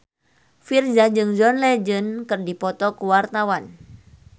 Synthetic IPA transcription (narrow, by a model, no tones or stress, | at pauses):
fird͡ʒad͡ʒɨŋd͡ʒɔnlɛd͡ʒənkɨrdipɔt̪ɔkuwart̪awan